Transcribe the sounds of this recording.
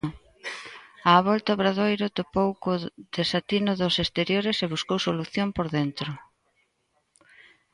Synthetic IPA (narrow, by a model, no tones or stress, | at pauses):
aːβɔlt̪aoβɾaðojɾʊt̪opowkoð̥esat̪inʊðʊsest̪eɾjoɾɪseβuskowsoluθjompoɾðent̪ɾʊ